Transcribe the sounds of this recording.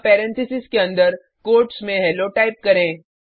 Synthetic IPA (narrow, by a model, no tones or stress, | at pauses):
pɛːɾɛ̃nt̪ʰɪsɪskeɐ̃nd̪əɾ | koːɾʈsmẽɦɛloʈaːɪp̚kɐɾẽː